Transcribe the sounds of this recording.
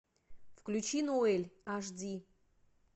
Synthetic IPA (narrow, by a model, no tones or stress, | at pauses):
fklʲut͡ʃʰinoelʲaʐdi